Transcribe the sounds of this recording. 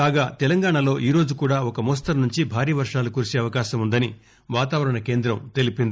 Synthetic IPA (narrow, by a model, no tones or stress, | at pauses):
aːɡaːt̪ɛlɐŋɡaːɳɐlo̞ːʔiːɾo̞ːd͡ʒukuːɽaːɔkɐmɔːs̬t̪ɐɾnuɲt͡ʃibʱaːɾiːʋɐɾʂaːlukuɾsiɐʋɐkaːʃɐmund̪ɐni | ʋaːt̪aːʋɐɾɐɳɐkeːnd̪ɾɐmt̪e̞lipind̪ii